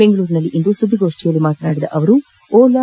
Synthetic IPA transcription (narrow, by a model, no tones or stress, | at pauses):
eŋɡɐɭuːɾinɐlːiʔind̪usɐd̪ːiɡo̞ːʂʈijɐlːimaːt̪ɐnaːɽid̪ɐ̰ʔɐʋɐɾu | oːla